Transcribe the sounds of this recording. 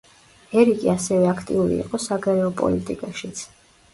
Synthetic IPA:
ɛɾikʼiasɛvɛakʰt̪ʼiuɾḭːqʼɔsaɡaɾɛɔpʼɔ̰lit̪ʼikʼaʃit̪sʰ

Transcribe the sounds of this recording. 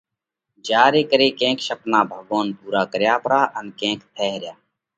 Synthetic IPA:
d͡ʒaːɾeːkəɾeːkẽːkʃəpnaːbʱəɡoːnpuːɾaːkəɾjaːpɾaːʔənkẽːkt̪ʰɛːɦɾɪjaː

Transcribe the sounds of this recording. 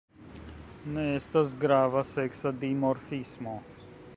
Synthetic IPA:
nɛest̪ɐzɡɾaːvɐseːksɐd̪iːmɔɾfiːsmoː

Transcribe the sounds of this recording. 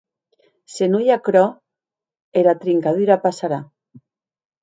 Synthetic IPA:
senujakɾɔ | elat̪ɾiŋkaðyɾapasaɾa

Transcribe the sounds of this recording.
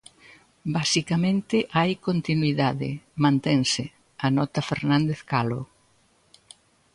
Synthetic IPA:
basikɐmẽnt̪ɪʔajkont̪inwiðaðɪ̰mãnt̪eŋsɪ | ɐnɔt̪ɐfeɾnãnd̪eθkalo

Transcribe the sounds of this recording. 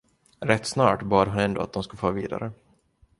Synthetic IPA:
ɾɛt̪ːsnɑːʈbɑːd̪ɦʊnɛnd̪o̰ːa̰t̪̚d̪ɔmskɵlfɑːvḭːd̪a̰ɾə

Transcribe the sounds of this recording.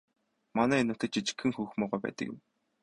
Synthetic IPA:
manæːinʊt̪ə̆t͡ɕʰit͡ɕɪ̥̆kxɘ̆ŋxuːxmʊːʁuːpæ̰ːt̪ə̰̆kjɪ̰̆m

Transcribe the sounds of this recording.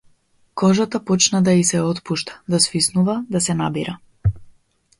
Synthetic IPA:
kɔʒat̪apɔt͡ʃnad̪aisɛɔt̪puʃt̪ḁd̪asvisnuvad̪asɛnabiɾa

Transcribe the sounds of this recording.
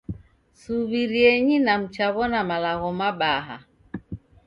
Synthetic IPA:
suβiɾiɛɲinam̩t͡ʃaβɔnamalaɣɔmaɓaɦa̰

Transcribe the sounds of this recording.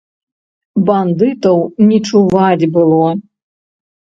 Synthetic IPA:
band̪ɨt̪ɐwnʲit͡ʂuvad͡zʲbɨlˠɔ

